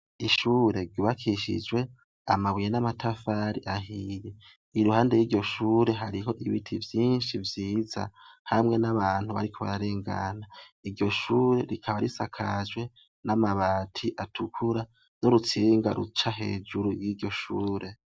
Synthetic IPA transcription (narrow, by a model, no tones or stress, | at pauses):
iʃuːɾe̞ɾɟuβakʰiʃḭd͡ʒwe̞ | a̰maβujenamatʰafaːɾḭʔaɦije | iɾuhaːndejiːɾɟo̞ʃuːɾe̞ɦaɾiɦo̞ʔiβitʰivjiːnʃivjiːza̰hamŋe̞naβaːn̥huβa̰ɾikʰo̞βa̰ɾaɾe̞ːŋɡa̰naiɾɟo̞ʃuːɾe̞ɾikʰaβaɾisakʰad͡ʒwe̞ | namaβaːtʰiʔatʰukʰuɾa | no̞ɾut͡siːŋɡaɾṵt͡ʃaɦe̞̰ːd͡ʒuɾujɡiːɟo̞ʃuːɾe̞